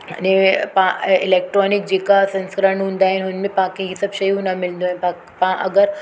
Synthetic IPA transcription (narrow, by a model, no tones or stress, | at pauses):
ɐnẽpãɪlɛːk̚ʈɾɔːnɪk̚d͡ʑeːkasɐ̃nskəɾəɳɦũːnd̪aːɦɛnɦʊnmẽpãkʰeɦisɐbʃɐjũnɐmɪlnd̪oɦɛpã | pãʔɐɡəɾ